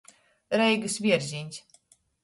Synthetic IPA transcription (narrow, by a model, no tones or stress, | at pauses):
ɾɛjɡɨsvʲiɛɾzʲinʲs